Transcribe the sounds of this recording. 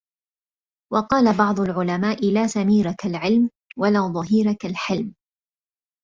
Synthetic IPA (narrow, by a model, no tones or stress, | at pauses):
wɑqɑːlabɑʕd̪ˤʊlʕʊlamaːʔɪlaːsamiːɾakalʕɪlm | walaːðˤɑɦiːɾakalħɪlm